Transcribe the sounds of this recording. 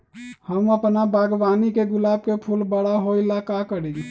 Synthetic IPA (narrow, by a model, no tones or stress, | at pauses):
həməpnabʱaɡbanikeɡʊlab̚kepʰulbəɽaɦoilakakəɽi